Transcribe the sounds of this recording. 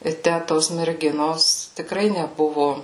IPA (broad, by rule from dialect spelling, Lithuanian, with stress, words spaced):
ɪ ˈtʲæ ˈtoːs mʲɛrʲˈɡʲɪnoːs tʲɪkˈrɐɪ nʲɛˈbʊʋʊ